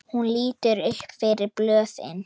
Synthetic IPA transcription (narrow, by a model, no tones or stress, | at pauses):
hunliːt̪əɾʏhkfeːɾɪb̥løːθɪ̰n